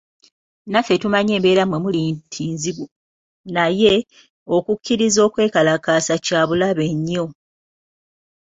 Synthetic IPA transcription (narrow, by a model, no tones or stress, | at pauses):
nafe̞tumaɲe̞ːmbe̞ːɾamwemuliːntʰiːnziβu | naje̞ | okukːiɾizo̞ːkwe̞ːkalakaːsacaːβulaβe̞ɲːo̞